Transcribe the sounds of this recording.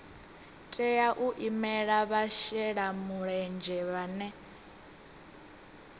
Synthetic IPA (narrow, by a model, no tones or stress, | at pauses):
tʼɛjaʔuʔimɛɺaβaʃɛɺamuɺɛnd͡ʒɛβanɛ